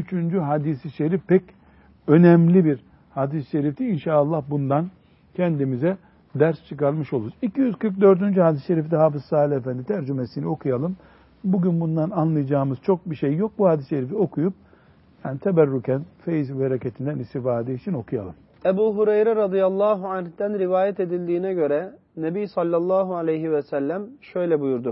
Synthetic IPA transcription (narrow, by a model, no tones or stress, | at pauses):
yt͡ʃʰynd͡ʒyɦad̪isiʃeɾifpɛc | ø̞nɛmlʲibiɾ | had̪isʃeɾift̪iinʃaːlˠːahbund̪an | cʰɛnd̪imizɛ | d̪æɾst͡ʃʰɯkaɾmɯʃolˠuɾuzicʰijyzkɯɾk̚d̪ø̞ɾd̪ynd͡ʒyhad̪isʃe̞ɾift̪ɛɦaːfɯzsaːilʲefænd̪it̪ʰæɾd͡ʒymesinio̞kʰujalˠɯm | buɟynbund̪ananlˠɯjad͡ʒaːmɯz̥t͡ʃʰo̞k̚biʃejːo̞k̚buhaːd̪isʃeɾifio̞kʰujup̚ | janit̪ʰebæɾːucʰænfejizuheɾecet̪ʰind̪ænist̪ifaːd̪ɛit͡ʃʰino̞kʰuja̰lˠɯm | ebuːɦuɾejɾɛɾɑd̪ijalˠːɑːɦuanhd̪̥ænɾivaːjɛt̪e̞d̪ilʲd̪iːnɛɟø̞ɾɛ | nebijsɑlʲːɑlˠːɑːɦualʲejɦivɛsælʲːæmʃø̞jlʲɛbujuɾd̪u